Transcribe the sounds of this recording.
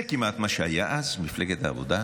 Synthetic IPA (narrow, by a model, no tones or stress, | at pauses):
kimʔat̪maʃeajaʔazmifleɡet̪a̰ːvo̰d̪a